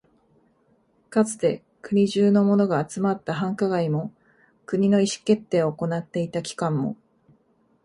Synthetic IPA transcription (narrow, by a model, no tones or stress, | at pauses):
kat͡sɨ̥t̪e̞ | kɯ̟ɲ̟iʑɨːno̞mo̞no̞ɡaːt͡sɨmat̪ːaɦãŋkaɡaimo̞ | kɯ̟ɲ̟ino̞iɕi̥ke̞t̪ːe̞ːooko̞nat̪ːe̞it̪akʲi̥kãmːo̞̰